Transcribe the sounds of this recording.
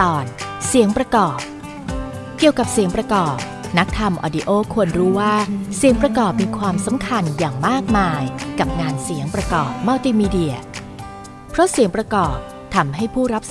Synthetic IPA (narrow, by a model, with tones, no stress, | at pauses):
ɔː˨˩n | si˩˦əŋpɾa˧kɔː˨˩p̚ | ki˨˩əwka˨˩p̚si˨˩˦əŋpɾa˧kɔː˨˩p̚ | na˦˥k̚t̪ʰa˧mʔɔ̰ː˧di˧ʔoː˥˩kʰu˧ənɾuː˦˥waː˥˩si˨˩˦əŋpɾa˧kɔː˨˩p̚miː˧kʰwaː˧msa˩˦mkʰa˧njaː˨˩ŋmaː˥˩k̚maː˧jka˨˩p̚ŋaː˧nsi˨˩˦əŋpɾa˧kɔː˨˩p̚ma˧˩t̪iː˧miː˧di˧˩ɐ | pʰɾɔ˦˥si˨˩˦ŋpɾa˧kɔː˨˩p̚ | t̪ʰa˧mɦa˥˩jpʰuː˥˩ɾa˦˥p̚s